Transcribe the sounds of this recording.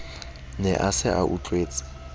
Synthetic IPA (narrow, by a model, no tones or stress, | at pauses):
nɛʔasɪʔa̰ʔut͡ɬʼweːt͡sʼɪ̥